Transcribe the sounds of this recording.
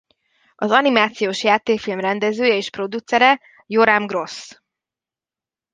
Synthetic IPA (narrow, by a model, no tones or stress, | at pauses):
ɒzɒnimaːt̪sijoːʃjaːt̪eːkfilmrɛnd̪ɛzøːjɛeːʃpro̞d̪ut̪sɛɾɛ | joɾamɡro̞s